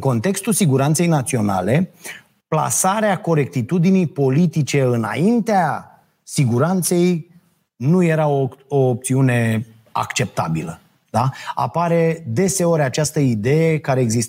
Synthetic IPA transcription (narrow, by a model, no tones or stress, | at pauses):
ɨko̞nt̪e̞kst̪ulsiɡuɾant̪se̞jnat̪sio̞na̰le̞ | pla̰saɾeako̞ɾe̞k̚t̪it̪ud̪inijpo̞lit̪it͡ʃe̞ɨna̰int̪ea | siɡuɾant̪se̞j | nuje̞ɾaooːp̚t̪siune̞ | a̰kt͡ʃe̞p̚t̪abilə | d̪̥aa̰paɾe̞d̪e̞se̞o̞ɾʲat͡ʃast̪əid̪e̞jekaɾe̞ːɡzist̪